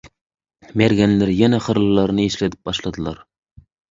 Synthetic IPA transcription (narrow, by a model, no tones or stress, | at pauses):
meɾɡʲænlæɾjænæχəɾlˠɨlːˠɑɾnɨeʃlæt̪ʰɪ̥p̚bɑʃlˠɑd̪ɨlˠɑɾ